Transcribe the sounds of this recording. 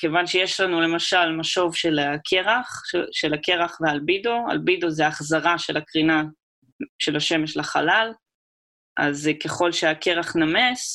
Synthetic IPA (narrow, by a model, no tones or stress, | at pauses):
kevanʃejeʃlanule̞maʃalmaʃo̞vʃelakʰeʁaχʃe̞lake̞ʁaχvealbidoa̰lbidozeaːχzaʁaʃe̞lakʁina | ʃe̞laʃe̞meʃlaχalal | ʔazke̞χo̞lʃeake̞ʁaχname̞s